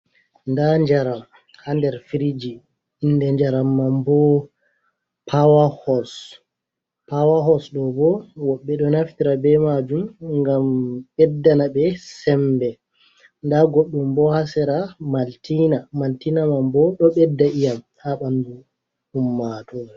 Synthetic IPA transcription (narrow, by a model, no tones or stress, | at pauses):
ndaɲd͡ʒaɾam | handɛɾfiɾid͡ʒi | inːdɛɲd͡ʒaɾamːambɔ | pʰawahɔs | pawaɦɔsɗɔbɔwɔɓːɛɗɔnaftiɾabɛmad͡ʒumŋɡamɓɛdːanabɛsɛmbɛ | ndaɡoɗːumbɔhasɛɾamaltinamaltinamambɔɗɔɓɛdːaijam | haɓandu | humːatɔ